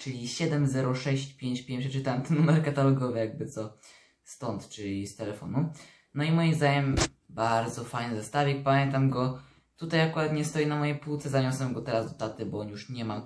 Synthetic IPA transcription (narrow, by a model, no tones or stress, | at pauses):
t͡ʂɘlʲiɕɛd̪ɛmzɛɾɔʂɛɕt͡ɕpʲjeɲt͡ɕpʲjeɲpʂɛt͡ʂɨt̪awɛmt̪ɛnːumɛɾkat̪alɔɡɔvɘjaɡ̚bɘt̪sɔ | st̪ɔnt̪t͡ʂɘlʲist̪ɛlɛfɔ̰nu | nɔimɔjimzd̪aɲɛm | baɾd̪zɔfajɲɨzast̪avʲɛpamʲjɛnt̪amɡɔ | t̪ut̪ajakuɾat̪ɲɛst̪ɔjinamɔjejpuwt̪sɛzaɲɔswɛmɡɔt̪ɛɾazd̪ɔt̪at̪ɘbɔjuʂɲɛmam